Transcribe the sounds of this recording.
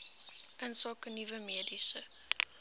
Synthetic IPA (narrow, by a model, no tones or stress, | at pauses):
ənsɑːkənivəmiədisə